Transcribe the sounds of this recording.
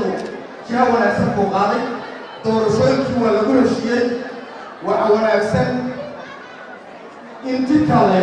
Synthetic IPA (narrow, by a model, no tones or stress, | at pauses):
ʊ | t͡ʃawɑnaːɡsɐŋkʰʊqɑːðɛj | d̪̥ɔːɾɐʃɔːjɪŋkʰiːwɑːlɐɣʊhɛʃɪjɛj | wɑħɑwɑnaːɡsɐn | ɪnt̪ʰɪkʰɐlɛ